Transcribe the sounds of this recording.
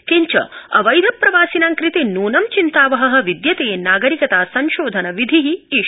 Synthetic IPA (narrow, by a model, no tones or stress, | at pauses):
kiɲt͡ʃɐ̰ɐʋɐjd̪ʱɐpːɾɐʋaːsinaːŋkɾit̪inuːnɐmt͡ʃint̪aːʋɐɦɐ̆ɦɐ̆ʋid̪jɐt̪eːnaːɡɐɾikɐt̪aːsɐnʃoːd̪ʱɐnɐʋid̪ʱiɦii